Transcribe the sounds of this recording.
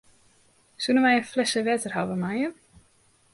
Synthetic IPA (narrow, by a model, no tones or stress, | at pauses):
suːnavaːjɛnflɛsavɛːt̪ʏɾ̥ha̰wvamaːja